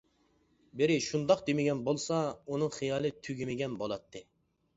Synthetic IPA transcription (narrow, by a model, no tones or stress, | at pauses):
bɪɾɪʃund̪ɑqd̪emɪɡʲɛnbolˠsɑunɨŋχijɑːlˠɨt̪ʰyɡʲimɪɡʲɛnbolˠɑt̪ʰːɨ